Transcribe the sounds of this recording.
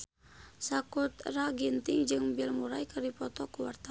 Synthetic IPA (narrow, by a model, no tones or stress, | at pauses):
sakut̪raɡint̪ɪŋd͡ʒɨŋbilmuɾajkaɾipɔt̪ɔkuwart̪a